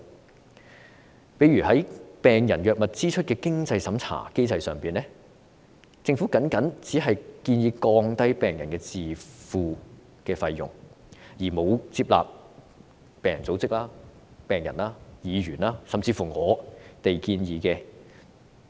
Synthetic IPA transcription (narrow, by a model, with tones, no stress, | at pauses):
pe˨˥jɥyː˨˩hɐ˨˥jpɛː˨ŋjɐ˨˩njœː˨k̚mɐ˨t̚t͡siː˥t͡ʃʰɵ˥t̚kɛː˧kɪ˥ŋt͡sɐ˧jsɐ˨˥mt͡sʰa̰ː˨˩ke˥jt͡sɐ˧jsœː˨˩ŋpiː˨nlɛ˥ | t͡sɪ˧ŋfu˨˥kɐ˨˥nkɐ˨˥nt͡siː˨˥ɦɐ˨jkiː˧njiː˨˧kɔː˧ŋt̪ɐ˥jpɛː˨ŋjɐ˨˩nkɛː˧t͡siː˨˩fuː˨˧ | kɛː˧fɐ˧jːʊ̰˨ŋ | jiː˨˩mo˨˧wt͡siː˧p̚la̰ː˨p̚ | pɛː˨ŋjɐ˨˩nt͡so˨˥wt͡sɪ˥k̚laː˥ | pɛː˨˩ŋjɐ˨˩nlaː˥jiː˨˧ɥyː˨˩naː˥sɐ˨mt͡siː˧fuː˨˩ŋɔː˨˧t̪e˨jkiː˧njiː˨˧kɛː˧